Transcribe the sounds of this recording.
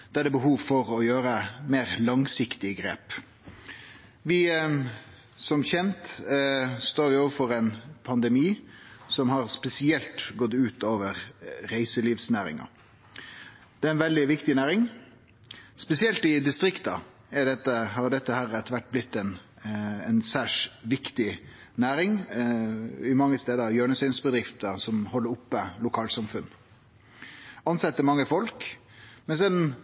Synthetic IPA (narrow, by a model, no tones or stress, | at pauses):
d̪̥æd̪ɛbəɦuːʋfɔɾɔjøːɾəmeːɾlɑŋsɪkt̪ɪɡɾḛːp | ʋɪ | sɔmçɛnt̪ | st̪oːɾʋɪoːʋəɾfɔɾɛɪnpʰɑnd̪ɛmiːsɔmhɑɾspɛsɪɛlt̪ɡɔt̪ːʉːt̪oːʋəʁɾæɪsəliːʋsnæːɾɪ̰ŋɑ̰ | d̪̥ɛæɪnʋɛld̪ɪʋɪkt̪ɪnæːɾɪŋ | spɛsɪɛlt̪ɪd̪ɪst̪ɾɪkt̪ɑ | ɛɖɛt̪ːəhɑɾɖ̪ɛt̪ːəhæɾɛt̪ʋæʈ̚ːblɪt̪ːɛn | ɛnsæːʂʋɪkt̪ɪ | næːɾɪŋ | ɪmɑŋːəst̪eːd̪əjøːɳəsɪnsbəd̪ɾɪft̪əsɔmhɔlːəɾʊpːəlʊkʰɑːlsɑmfʉnː | ɑnsɛt̪ːəmɑŋːəfɔlk | mɛnsɛn